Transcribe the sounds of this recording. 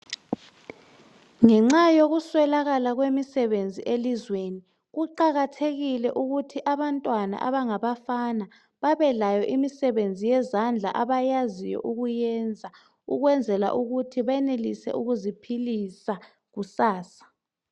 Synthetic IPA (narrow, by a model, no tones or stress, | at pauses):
ŋɛŋ͡ǁajoɣuswɛlaɣalaɣwemisɛβend͡zʱiʔelizweni | ɣuǃaɣatʰeɣilɛʔuɣutʰiʔaβantʼwana̰ʔa̰βaŋaβafana | βaβɛlajɔʔimisɛβend͡zʱijɛzand͡ɮʱa̰ʔaβajazijɔ̰ʔuɣujɛnd͡zʱa | uɣwɛnd͡zʱɛla̰ʔuɣutʰiβaɛnelisɛ̰ʔuɣuzipʰilisa | ɣusaːsḁ